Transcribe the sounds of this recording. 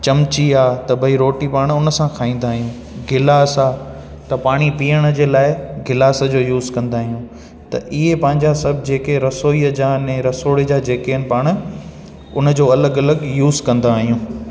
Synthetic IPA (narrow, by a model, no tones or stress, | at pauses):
t͡ɕɐmt͡ɕiaːt̪ɐbʱɐiɾoːʈipaːɽ̃ʊnə̆sãkʰaːĩːn̆d̪aːɦijũː | ɡʱɪlaːsaː | t̪ɐpaːɽ̃ipiːəɽ̃ə̆d͡ʑeːlaːɪɡʱɪlaːsəd͡ʑoːjuːzkɐ̃nd̪aːɦijũː | t̪ɐʔɪɦepɐ̃ɦɪ̃ɲd͡ʑasɐbʱɪd͡ʑeːkeɾɐsoːiəd͡ʑaːnɛ̃ɾɐsoːɽed͡ʑaːd͡ʑeːkeənɪ̆paːɽ̃ | ʊnə̆d͡ʑoːɐləɡɐləɡjuːzkɐ̃nd̪aːɦijũː